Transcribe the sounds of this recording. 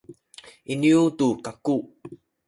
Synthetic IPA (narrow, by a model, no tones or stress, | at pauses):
ʔiniutukaku